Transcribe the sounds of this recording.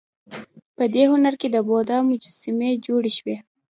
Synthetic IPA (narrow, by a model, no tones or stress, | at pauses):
pəd̪ehʊnaɾked̪əbod̪ɑmʊd͡ʒasɪmed͡ʒoɽeʃwe